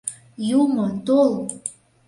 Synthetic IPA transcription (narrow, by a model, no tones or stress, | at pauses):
jumot̪ol